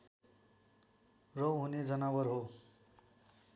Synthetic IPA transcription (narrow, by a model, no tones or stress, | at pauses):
rʌwɦuned͡zʌnawʌɾɦo